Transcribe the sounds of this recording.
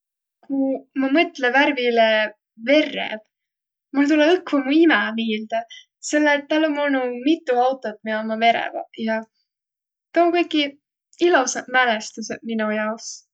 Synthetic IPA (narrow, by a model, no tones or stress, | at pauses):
kumɑmɤt̪ːlevæɾvile | ve̞rːḛb̥ | mult̪ulɛɯkːvumuimɛmiːld̪̥ɑ | se̞lːet̪ːɑlːomolnumit̪ːˑuɑwt̪ːˑo̞t̪̚miomɑme̞ɾɛ̰vɑ̰jɑ | t̪oːkɤjkːˑi | ilusɑdmælest̪used̪̥minujɑws